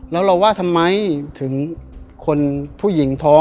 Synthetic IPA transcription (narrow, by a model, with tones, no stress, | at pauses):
lɛː˦˥wɾa˧waː˥˩t̪ʰa˧mːa˦˥jt̪ʰɯ˩˦ŋkʰo˧npʰuː˥˩ji˩˦ŋt̪ʰɔː˦˥